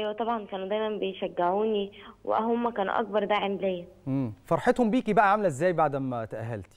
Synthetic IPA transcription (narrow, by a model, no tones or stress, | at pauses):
ʔæjwæt̪ˤɑbʕɑnkæːnud̪æjmæmbejʃæɡːeʕuːniwḛʔæ̰ɦomːækæːnṵʔɑ̰k̚bɑɾˤd̪aʕemlejːæʔemːfɑɾˤħet̪hombiːkibæʔæʕamælæʔezːæːjbaʕd̪æmːæt̪æʔæɦːæ̰lt̪i̥